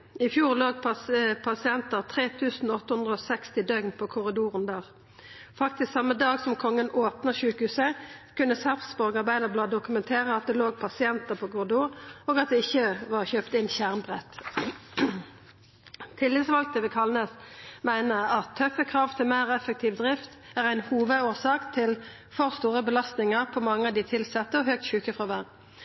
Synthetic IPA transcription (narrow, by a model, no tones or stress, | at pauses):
ɪfjuːʁloːɡ̚ppʰɑsɪɛnt̪əʁt̪ʰʁeːt̪ʰʉːsn̩ɔt̪ːəhʉnd̪ʁəoːsɛkst̪ɪd̪œɡnpʰoːkʰʊʁɪd̪uːʁənd̪ɑːʁ | fɑkt̪ɪsksɑmːəd̪ɑːɡsɔmkʰɔŋːənoːpnəʁʃʉːkʉːsəkʉnːəsɑʁfsbɔʁɡɑʁbæɪd̪əblɑːd̪ʊkʉmɛnt̪ʰeːʁəɑt̪̚d̪ɛloːɡ̚pʰɑsɪɛnt̪əpʰoːkʰʊʁɪd̪uːʁoːɡɑt̪̚d̪ɛɪçːəʋɑʁçøːpt̪ɪnçæʁmbʁɛt̪ː | t̪ʰɪlːɪt̪sʋɑlk̪̚d̪ɛʋɪkʰɑlnəsmæɪnəɑt̪ʰːœfːəkʰʁɑːʋt̪ʰɪlmæɪʁɛfɛk̚t̪ʰiːʋd̪ʁɪft̪æːʁæɪnhuːʋəuːʁsɑːkt̪ʰɪl | fɔʁst̪uːʁəbəlɑst̪nɪŋəʁpʰɔmɑŋːəɑʋd̪ɪt̪ʰɪlsɛt̪ːəɔɦøːk̚t̪ɕʉːkəfʁɑʋæʁ